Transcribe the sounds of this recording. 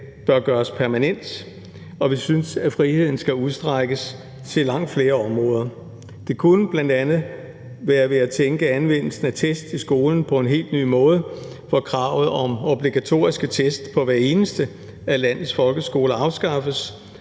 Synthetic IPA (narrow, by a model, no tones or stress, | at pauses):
b̥ɶɐɡ̥ɶːɐspʰæɐmænen̰d̥ | ɒ̽ʋisynsæfʁihe̝ð̞̰ˠn̩sɡ̥æuð̞ˠsd̥ʁaɡ̥əs | t͡sʰe̝lɑ̈ŋ̰d̥fle̝ːɐɒ̽mʁɔ̽ːð̞ˠɐ | d̥e̝kʰunəb̥lænd̥ænð̩ˠ | ʋæːɐʋe̝æt͡sʰeŋɡ̥əænʋen̰l̩sn̩æt͡sʰesd̥isɡ̥o̝ːln̩pʰɒ̽e̝nɦe̝̰ːld̥ny̰ːmɔ̽ːð̞ˠə | fɒkʰʁɑ̈ʊð̩ˠɒ̽mo̝b̥liɡ̥æt͡sʰo̝̰ːɐisɡ̥ət͡sʰesd̥pʰɒ̽ʋæɐe̝ːnəsd̥ə | ælæn̰ð̩ˠsfɒ̽lɡ̥əsɡ̥o̝ːləɑ̈ʊsɡ̥ɑ̈fəs